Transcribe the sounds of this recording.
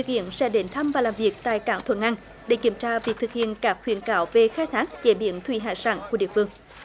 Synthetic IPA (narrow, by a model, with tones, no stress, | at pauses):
t̪ɨ˨˩k̚hḭ˧˨ənsɛ̰˧˥ɗe˨˦nt̪ʰə˧mvaː˨˩laː˨˩mvi˨˩ək̚t̪a̰ː˧˨jkaː˧˦ŋt̪ʰwə̰˧˥nʔa˧ŋ | ɗe˧˦ki˧˩əmt͡ɕaː˧vi˨˩k̚t̪ʰɨ˨˩k̚hḭ˧˨ənkaː˦˥k̚hwḭ˧˩ənkaː˧˦wve˨xaː˧jt̪ʰaː˦˥k̚t͡ɕe˧˩˦ɓḭ˧˩ənt̪ʰwi˧˩ɦaː˧˩sa̰ː˧˩ŋku˧˩əɗḭ˧˨əfɨ˧əŋ